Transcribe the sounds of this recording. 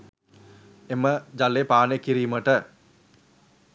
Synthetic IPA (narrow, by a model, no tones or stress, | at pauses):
eməd͡ʒalːepaːnekiɾiːməʈə